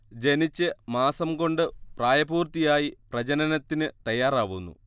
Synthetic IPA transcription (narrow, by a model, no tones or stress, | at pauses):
d͡ʑe̞nit͡ɕːɨmaːsɐmko̞ɳɖɨpraːjɐbuːrt̪ijaːjiprɐd͡ʑɐnɐnɐt̪ːinɨt̪ɐjːaːraːʋunːṵ